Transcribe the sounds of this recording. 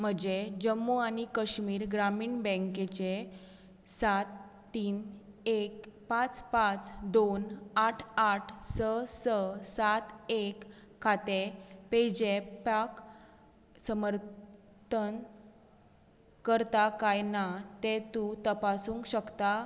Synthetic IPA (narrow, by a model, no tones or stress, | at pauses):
m̤əd͡ʑed͡ʑəmːuañikəɕmiːɾɡɾamiːɳbɛ̃ŋket͡ɕe | sat̪ː | iːn | ekpat͡spat͡sd̪onaʈʰaʈʰsəsəsat̪ekʰː | at̪eped͡ʑepak | səməɾ | t̪ən | kəɾt̪akajnat̪et̪ut̪əpasuːŋkɕəkt̪a